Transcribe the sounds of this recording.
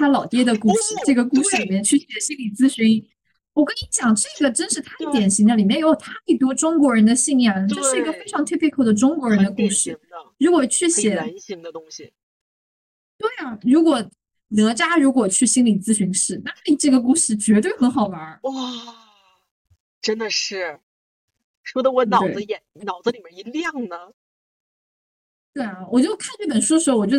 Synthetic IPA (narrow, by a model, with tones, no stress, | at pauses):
t̪ʰa˥lɑ˨˩ʊt̪jɛ˥d̪ə˨ku˥˩ʂɻ̩˥˧ʈ͡ʂɤ˥˩ɡə˩ku˥˧ʂɻ̩˥li˨˩mjɛ˥˧nt͡ɕʰy˥˩ɕjɛ˨˩ɕi˥nli˨˩t͡sɹ̩˥˧ɕy˧˥n | wɔ˨˩kə˥ni˧˥t͡ɕjɑ˨˩ŋʈ͡ʂɤ˥˩ɡə˩ʈ͡ʂə˥nʂɻ̩˥˩t̪ʰa˥d̪ə˨t̪jɛ˨˩nɕi˧˥ŋd̪ə˩li˨˩mɛ˥˩njo˧˥˩t̪ʰa˥i˥˩t̪̬wɔ˥ʈ͡ʂʊ˥ŋkwɔ˧˥ɻə˧˥nd̪ə˧ɕi˥˧ŋjɑ˥˩ʈ͡ʂə˥˧ʂɻ̩˥˩i˧˥ɡə˧fe˥ɪʈ͡ʂʰɑ˧˥ŋt̪ʰi˥pʰi˧˥kʰo˥˩ʊd̪ə˩ʈ͡ʂʊ˥ŋkwɔ˧˥ɻə˧˥nd̪ə˧ku˥˩ʂɻ̩˥˩ɻu˧˥kwɔ˨˩t͡ɕʰy˥˩ɕjɛ˨˩˧ | t̪we˥˩ɪa˩ɻu˧˥kwɔ˨˩ | nɤ˧˥t͡ɕja˥ɻu˧˥k̬wɔ˨˩t͡ɕʰy˥˩ɕi˥nli˨˩t͡sɹ̩˥˩ɕy˧˥nʂɻ̩˥˩na˥˩tʈ͡ʂɤ˥˩ɡə˩k̬u˥˧ʂɻ̩˥˩t͡ɕɥɛ˧˥t̪we˥˩ɪxə˧˥nxɑ˨˩ʊwɐ˧˥wɔ˥˩ | ʈ͡ʂə˥nd̪ə˨˧ʂɻ̩˥˩ | ʂwɔ˥d̪ə˧wɔ˧˥nɑ˨we˥˩ə˦jɛ˨˩˦n˧˩nɑ˨˩ʊd͡zə˦li˨˩mə˥ni˧˥ljɑ˥˩ŋnə˩ | t̪we˥˩ɪɐ˩wɔ˨˩t͡ɕjo˥˧ʊkʰa˥˧nʈ͡ʂi˥˩p̬ə˨˩nʂu˥də˧˩ʂ̩ɻ̩˧˥o˥ʊwɔ˨˩t͡ɕj